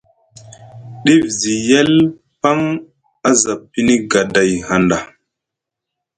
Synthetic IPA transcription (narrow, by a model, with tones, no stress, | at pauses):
ɗi˦vzi˨je˦l | pa˦ŋ | a˦za˨pːi˦ni˦ɡa˨da˨jha˨nda˨